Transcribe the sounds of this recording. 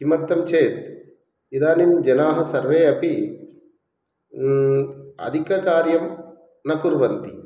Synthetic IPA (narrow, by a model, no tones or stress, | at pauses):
kimɐt̪ːɐmt͡ʃʰeːt̪ | id̪aːnind͡ʒɐnaːɦɐsɐɾʋeːɐpi | ɐ̰d̪ʱikɐkaːɾjɐm | nɐkuɾʋɐnt̪i